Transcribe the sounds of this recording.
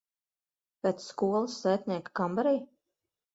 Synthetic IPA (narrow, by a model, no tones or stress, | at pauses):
pʲɛt̪sskuɔlˠɨsːæːt̪ʲnʲiɛkkambaɾij